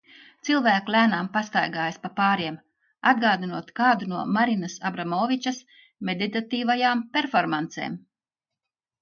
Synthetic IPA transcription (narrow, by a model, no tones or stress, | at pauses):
t̪silˠvæːkulʲæːnaːmpast̪ajɡaːjspapaːɾiɛm | ad̪̚ɡaːd̪inuɔt̪kaːd̪unuɔmaɾinasabɾamɔːvʲit͡ʃɐs | med̪it̪at̪iːvajaːmpʲeɾfɔɾmant̪sḛːm